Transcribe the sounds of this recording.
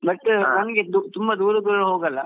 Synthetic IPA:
bɐʈːnɐnɐɡed̪ut̪umbɐd̪uːɾɐkɐɾɭuɦoːɡɐlːɐ

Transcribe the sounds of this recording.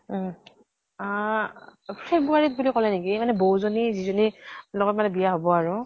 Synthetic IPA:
pʰɹebuaɹit̚bulikɔlɛnekimanɛbowzonizizonilɔɡɔt̚manɛbijaɦobɔaɹʊ

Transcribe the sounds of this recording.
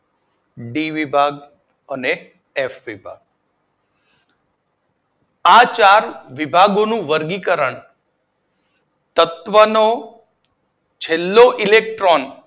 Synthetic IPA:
ɖiʋibʱaɡ | əne | efʋibʱa̰ɡ̚ | at͡ʃaɾʋibʱaɡonũʋəɾɡikəɾəɳ | t̪ət̪ʋəno | t͡ʃʰelːoʔilek̚ʈɾon

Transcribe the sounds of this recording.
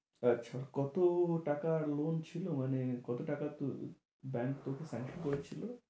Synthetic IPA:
ətːʃʰakɔt̪oʈakalont͡ɕʰilomanekɔt̪oʈakat̪o | bɛŋkt̪okesaŋʃɔnkoɾet͡ɕʰilo

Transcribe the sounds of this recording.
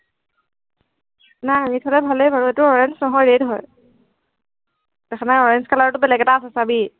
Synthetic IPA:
najamitʰɔlɛbʱalejbaɹuetʊɔɹɛnsnɔɦɔjɹedɦɔj | tɛkʰanaɔɹɛnskalaɹɔtʊbɛlɛɡɛtaːsɛsabi

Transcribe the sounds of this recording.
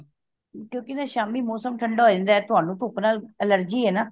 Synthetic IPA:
kjõːkɪnaːʃaːmiːmɔːsəmʈʰəɳɖaːɦoːd͡ʒãːnd̪aːɛːt̪ʊaːnũːt̪ʊːpnaːlələɾd͡ʒiːɦɛːnaː

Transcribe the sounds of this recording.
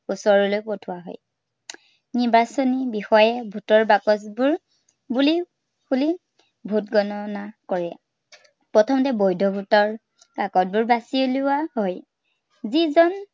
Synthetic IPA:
usɔɹɔlojpɔtʰʊwaɦɔ̰j | niɹbasɔnibixɔjɛbʱutɔɹbakɔsbʊɹ | buli | buli | bʱutɡɔnɔnakɔɹia̰ | pɹɔtʰɔmɔtɛbojdʱɔbʱutɔɹ | kakɔt̚bʊɹbasioluwaɦɔj | zizɔn

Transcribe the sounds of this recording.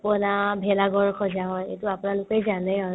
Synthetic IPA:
pɔnabʱɛlaɡɔɹkʰɔzaɦɔjḛtʊapʊnalʊkejzanɛa

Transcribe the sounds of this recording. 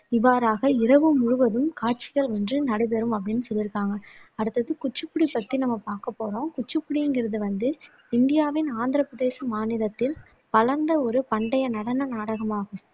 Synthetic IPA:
ɪʋaːɾaːɣɐɪɾɐʋɯmːʊɻʊʋɐðɯmkaːʈ̚t͡ʃɪɣɐɭɔndrɯnɐɽɐɪbɛɾɯmɐp̬ːɐɽɪnːɯsɔlːjɪɾɯkːaːŋɡɐːɽɯt̪ːɐðɯkʊt͡ʃːɯpːʊɽipːɐt̪ːinɐmːɐpaːɾkɐpːoːɾõːkʊt͡ʃːɯpːʊɽiɯŋɡɪɾɐðɯʋɐnd̪ɯ | ɪnd̪ɪjaːʋɪnaːnd̪ɪɾɐpɾɐðeːsɐmaːnɪɾɐt̪ːɪl | pɐlɐɾnd̪ɐɔɾɯpɐɳɖɐjɐnɐɽɐnɐnaːɽɐɣɐmaːɣɯm

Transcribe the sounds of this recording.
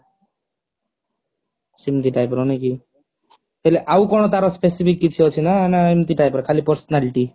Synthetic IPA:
simt̪iʈajpɾɔniki | eleʔawkɔñɔt̪aɾɔspesipʰikːit͡sʰiɔt͡sʰinanaemt̪iʈajpɔɾkʰalipɔɾsɔnaliʈi

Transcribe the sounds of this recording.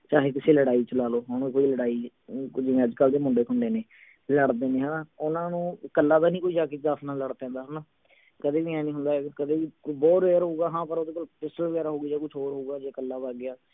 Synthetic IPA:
t͡ʃaːɦeːkɪseːləɽaːiːt͡ʃəlaːloːɦənũkoːiːləɽaːiː | d͡ʒɪ̃əd͡ʒkəld̪eːmʊɳɖeːkʰʊɳɖeːneː | ləɽd̪eːneːɦaːnãːʊnãːnũːkəlːãːd̪aːnĩːkoːiːd͡ʒaːkeːt͡ʃd̪aːsʰnaːləɽpɛ̃ːnd̪aːɦnãː | kəd̪eːʋiːɛ̃ːnĩːɦʊ̃nd̪aːɦɛkəd̪eːʋiːkbɔːt̪ɾeːɾɦoːɡaːɦãːpəɾoːd̪eːkəlpɪsəlʋəɡɛːɾaːɦoːɡiːd͡ʒaːkʊt͡ʃʰoːɾɦoːɡaːd͡ʒeːkəlːaːbaːɡɪaː

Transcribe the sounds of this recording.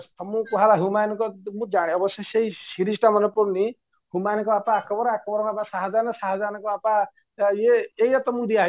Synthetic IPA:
t̪ɔmũkuɦaɾaɦumajnkɔmũd͡ʒaɽ̃iɔbɔsɔseisiɾisʈamɔnɔpuɾni | humajnkɔapaːkɔbɔɾɔakɔbɔɾɔnapasaɦad͡ʒanɔsaɦad͡ʒanɔkɔapa | jeejɔt̪ɔmũd̪ia

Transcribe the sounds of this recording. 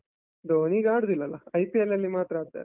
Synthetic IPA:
d̪oːniɡaːɽud̪ilːɐlɐɐjpielːɐlːimaːt̪ɾɐaːt̪ːa̰ː

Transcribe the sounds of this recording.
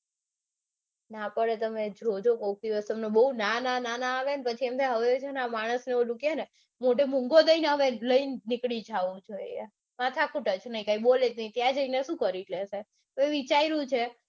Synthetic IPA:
napəɽet̪əmed͡ʒɾod͡ʒokokd̪iʋəst̪əmnebəɦunanananaːʋenepət͡ʃʰiemt̪ʰeɦəʋet͡ʃʰonamaɽ̃əsneolukene | moʈ̬emũŋɡod̪əineɦəʋeləinɪkɽid͡ʒʱaʋũd͡ʒʰoje | mat̪ʰakʰuʈət͡ʃʰnəĩkãiboled͡ʒnəĩt̪jãd͡ʒəineʃũkəɾiʈlese | əʋeʋit͡ʃaiɾũt͡ʃʰe

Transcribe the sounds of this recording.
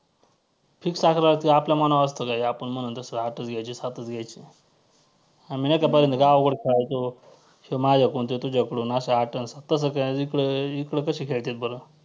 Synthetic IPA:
pʰiːksakʰɾaat̪iapljamanaʋəst̪əkaɦiapəɳm̤ənuːnt̪əsəɦaʈət͡sɡʱajt͡ɕisat̪ət͡sɡʱjajt͡ɕi | aminekapəɾjent̪ɡaʋɡəɽkʰeɭat̪o | ɕimad͡ʑʱakunt̪et̪ud͡ʑakɽuːnaɕaɦaʈənsat̪əsəkaikɽəikɽəkəɕiːkʰeɭt̪et̪̚bəɾə

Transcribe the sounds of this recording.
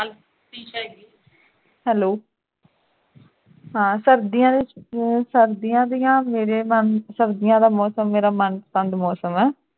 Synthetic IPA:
iːt͡ʃːi | hɛːloː | ɦãːsəɾd̪ijãːd̪eːsəɾd̪ɪjãːd̪ijãːmeːɾeːmənsəɾd̪ɪjãːd̪aːmɔːsəmːeːɾaːmənpə̥sə̃nd̪mɔːsəmɛː

